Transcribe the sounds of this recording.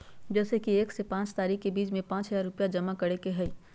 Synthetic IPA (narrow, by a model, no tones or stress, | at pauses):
d͡ʒɛːsekieːksepãːt͡ʃt̪aːɾiːkkebiːt͡ʃmẽpãːt͡ʃɦɐzaːɾʊpjad͡ʒɐmakɐɽekeɦɛiː